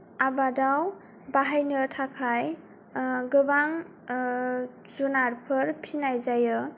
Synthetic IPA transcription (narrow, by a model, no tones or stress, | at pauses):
abadaw | baɦajnɯtʰakʰaj | ɡɯbaŋ | zunaɾpʰɯɾpʰinajzajɯ